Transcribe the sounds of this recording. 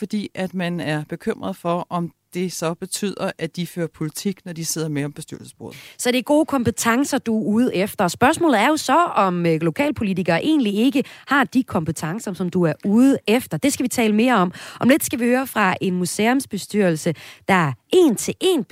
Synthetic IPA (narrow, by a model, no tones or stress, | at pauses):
fɒ̽d̥ḭːæd̥mænæɐb̥e̝kʰøm̰ʁɐð̩ˠfɒ̽ɒ̽md̥e̝sɒ̽b̥e̝t͡sʰy̰ð̰ˠɐʔædd̥iføːɐpʰo̝lit͡sʰiɡ̥nɒd̥ise̝ð̰ˠɐmeɒ̽mb̥e̝sd̥yɐ̰lsə̥sb̥oɔ̰ːð̩ˠsɒ̽d̥e̝ɡ̥o̝ːkʰɒ̽mpət͡sʰɑ̈ŋsɐd̥uuð̞̩ˠefd̥ɐsb̥ɶɐsmɔ̰lð̩ˠæɐjo̝sɒ̽ɒ̽mlo̝kʰɛ̰ːlpʰo̝lit͡siɡ̥ɐːʔe̝̰ːnlie̝ɡ̥əhɑ̈d̥ikʰɒ̽mpət͡sʰɑ̈ŋsɐsɒ̽md̥uæɐuð̩ˠefd̥ɐd̥e̝sɡ̥æʋit͡sʰɛ̰ːləme̝ːɐɒ̽mʔɒ̽mle̝d̥sɡ̥æʋihøːɐfʁɑ̈ʔe̝nmuseɔmsb̥e̝sd̥yɐlsəd̥ɑ̈æɐe̝̰ːnt͡sʰe̝ʔe̝ːn